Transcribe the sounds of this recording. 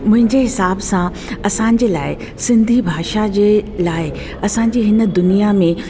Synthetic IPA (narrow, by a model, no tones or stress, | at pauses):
mʊ̃ɦɪ̃ɲd͡ʑeɦɪsaːbsã | ɐsãːɲ̆d͡ʑeːlaːɪ | sɪ̃nd̪ʱibʱaːʃad͡ʑeːlaːɪ | ɐsãɲd͡ʑiːɦɪnə̆d̪ʊnijamẽ